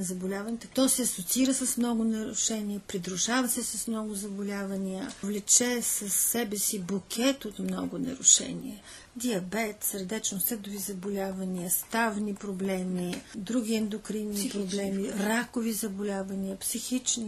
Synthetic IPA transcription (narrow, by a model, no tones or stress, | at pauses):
zɐbʊlʲavɐnit̪t̪ɔsɛɐsot̪siɾəsɐsmnɔɡʊnɐɾʊʃɛniəpɾid̪ɾʊʒavɐsɛsɐsmnɔɡʊzɐbʊlʲavɐniəvlɛt͡ʃɛsɐsːɛbɛsibukʲʰɛt̪ot̪mnɔɡʊnɐ̰ɾʊ̰ʃɛ̰nʲḭɛ | d̪iɐbɛt̪səɾd̪ɛt͡ʃnosɛd̪ʊvizɐbʊlʲavɐniəst̪avnipɾoblɛmid̪ɾuɡʲiɛnd̪okɾinːipɾoblɛmiɾakovizɐbʊlʲavɐniəpsixit͡ʃni